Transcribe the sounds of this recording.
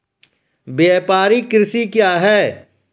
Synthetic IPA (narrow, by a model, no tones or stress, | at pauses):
bjeːpaːɾikɾɪsikjaːɦɛː